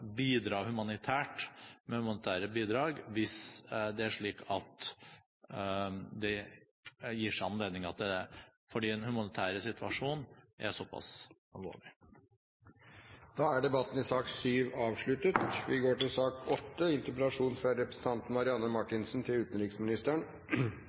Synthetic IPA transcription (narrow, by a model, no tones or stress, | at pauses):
biːd̪ɾɑːhʉmɑnɪt̪ʰæːʈmɛhʉmɑnɪt̪ʰæːɾəbiːd̪ɾɑːɡʋɪsd̪ɛæʂɭiːkʰɑt̪ | d̪ɛ | jiːʂæɪɑnleːd̪nɪŋɑt̪̚d̪ɛfɔɖiːɛnhʉmɑnɪt̪ʰæːɾəsɪt̪ʰʋɑʂuːnʔæ̰sɔpːɑ̰s | ɑlʋo̰ːɭɪ | d̪̥ɑːæɖɛbɑt̪ːn̩ɪsɑːksyːʋɑːʋʂɭʉt̪ət̪ʋɪɡoːʈɪlsɑːkɔt̪ːəɪnt̪əɾpəlɑʂuːnfɾɑɾɛpɾɛsən̩t̪ʰɑnt̪n̩mɑɾɪɑnːəmɑʈːɪnsn̩t̪ʰɪlʉːt̪ənɾɪksmɪnɪst̪əɳ